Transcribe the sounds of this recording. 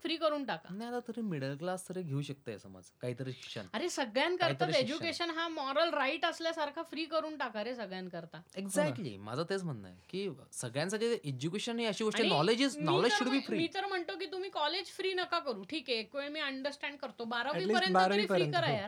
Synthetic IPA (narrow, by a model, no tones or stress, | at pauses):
fɾiːkəɾuːnʈaka̰najat̪at̪əɾĩmiɽəlklast̪ʰəɾeɡʱeuɕək̚t̪ajəsə̰ma̰d͡zkaɦit̪əɾeɕə̰naɾesəɡɭjãnkəɾt̪aed͡ʑukeɕənɦãmɔɾəlɾaiʈəsljasaɾkʰafɾiːkəɾuːnʈakaɾesəɡɭjãnkəɾt̪aeɡzækʈlḭma̰d͡zʱat̪et͡sm̤ənna̰jkiː | səɡɭjãnsaɡiʔed͡ʑukeɕənɦiəɕiːɡoʂaʈĩnɔled͡ʑiznɔled͡ʑəuɽbʱiːfɾimiːt̪əɾm̤əɳt̪okiːt̪um̤iːkɔled͡ʑfɾiːnəkakəɾuːʈʰiːkeːkʋeɭmiːəɳɖəɾsʈɛ̃ɳɖ̚kəɾt̪obaɾaiːpəɾjənəiɾiːkəɾaja